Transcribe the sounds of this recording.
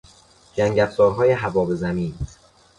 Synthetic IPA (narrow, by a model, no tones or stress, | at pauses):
d͡ʒæŋɟæfzɒːɾɦɒːje̞ɦævɒːbe̞zæmiːn